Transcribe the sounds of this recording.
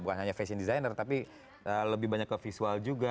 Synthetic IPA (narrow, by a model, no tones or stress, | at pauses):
bukanhaɲafɛsindizajnərt̪api | ələbɪɦbaɲakːafisuald͡ʒuɡa